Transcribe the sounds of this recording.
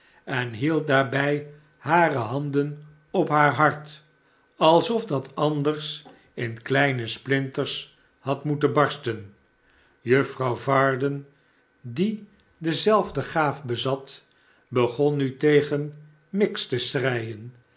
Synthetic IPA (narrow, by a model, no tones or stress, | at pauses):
ɛnɦilˠt̚daːɹbɛj | haːrəɦɑndən | ɔpɦaːɹɦɑɹt | ɑlˠsɔfdɑtɑndərs | ɪnklɛjnəsplɪntəɹs | hɑtmutənbɑɹstən | jɵfrɑwvɑːɹdən | di | dəzɛlˠvdəχaːfbəzɑt | bəχɔnːytejχən | mɪkstəsrɛjən